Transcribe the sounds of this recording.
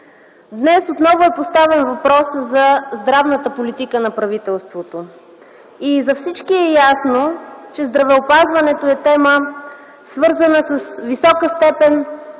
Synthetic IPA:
d̪nɛsot̪nɔvʊɛpost̪avɛnvɐpɾɔszɐzd̪ɾavnət̪əpolit̪ikənɐpɾɐvit̪ɛlˠst̪vot̪o | izɐfsit͡ʃkiɛjasnot͡ʃɛzd̪ɾɐvɛopazvɐnɛt̪oɛt̪ɛmə | svɤɾzənəsəsvisɔkəst̪ɛpɛn

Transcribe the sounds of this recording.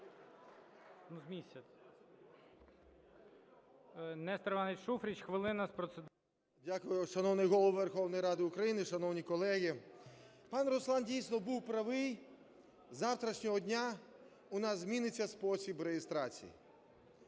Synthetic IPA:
nuzmʲisʲɐ | nɛst̪ɾɪʋɑnɪtʲʃufɾʲit͡ʃxʋɪlˠɪnɐspɾɔsed̪ | dʲakʊjʊʃɐnɔwnɪjɦɔlˠɔwʋerxɔwnɔjɾɑd̪ɪʊkɾɐjinɪʃɐnɔwnʲikɔlˠɛɦʲi | pɑnrɔslˠɑndʲijsnɔbuwpɾɐʋɪj | zɑwt̪ɾɐʃnʲɔɦɔdʲnʲa | ʊnɑzzʲmʲinɪt͡sʲːɐspɔsʲibɾeɦɪst̪ɾɑt͡sʲḭjḭ

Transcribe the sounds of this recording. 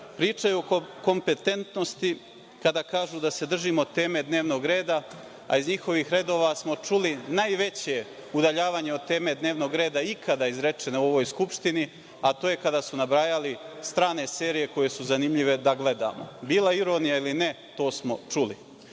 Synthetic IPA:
pɾiːt͡ʂajuoko̞mpe̞t̪e̞nt̪no̞st̪i | kad̪aːkaːʒuːd̪ase̞d̪r̩ʒimo̞t̪e̞ːme̞d̪ne̞ːʋno̞ːɡɾe̞ːd̪a | a̰izɲixo̞ʋiːxɾe̞d̪o̞ːʋasmo̞t͡ʃulinajʋe̞t͡ɕe̞ | ud̪aʎaːʋaːɲe̞ot̪e̞ːme̞d̪neːʋno̞ːɡɾe̞ːd̪aikʰad̪aizɾe̞t͡ʃe̞neuo̞ʋoːjskupʃt̪ini | at̪oːje̞kad̪aːsunabɾajalist̪ɾaːne̞se̞ːɾije̞ko̞je̞suzanimʎiʋe̞d̪aɡle̞d̪a̰ːmo̰biːlˠaiɾo̞nijailine̞ | t̪o̞ːsmo̞̰t͡ʂuli

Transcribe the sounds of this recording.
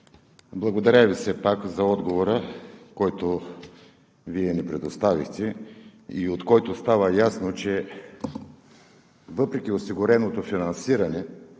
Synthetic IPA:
blˠɐɡod̪ɐɾɛvisɛpakzɐɔd̪ɡovoɾəkɔjt̪o | viɛnɛpɾɛd̪ost̪avixt̪ɛiot̪kɔjt̪ost̪avəjasnot͡ʃɛ | vɤpɾɛk̟iosiɡʊɾɛnot̪ofinɐnsiɾɐnɛ

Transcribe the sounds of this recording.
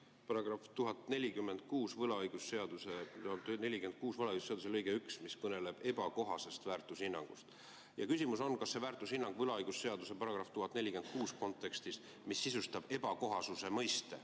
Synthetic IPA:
pɑɾɑɡrɑft̪uɦɑt̪ˑnelʲikymːe̞nd̪̥̚kuːsvɤlɑɯjɡ̥usse̞ɑd̪̥uset̪ne̞lʲikyend̪̥̚kuːsvɤlɑɯjɡuseɑd̪uselɤjɡ̥eyksmiskɤne̞le̞b̥e̞b̥ɑko̞ɦɑse̞st̪væːrt̪ˑushinːɑ̰ŋɡ̥ṵst̪ | jɑkys̬ʲimuso̞nkɑsːe̞væːrt̪ˑushinːɑŋɡ̥vɤlɑɯjɡ̥usse̞ɑd̪use̞pɑɾɑɡ̥rɑft̪uɦɑt̪ːˑnelʲikend̪̥̚kuːsko̞nt̪ˑːe̞kst̪is | misːisust̪ɑb̥e̞b̥ɑko̞ɦɑsuse̞mɤjst̪e̞

